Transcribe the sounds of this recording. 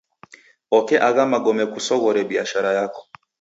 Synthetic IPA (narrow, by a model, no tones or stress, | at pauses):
ɔkɛʔaɣamaɡɔmɛkusɔɣɔɾɛbiaʃaɾajakɔ̥